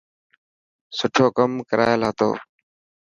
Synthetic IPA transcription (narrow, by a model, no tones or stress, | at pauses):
sʊʈʰoːkəmkəɾʔa̰ːjelaːt̪o̰ː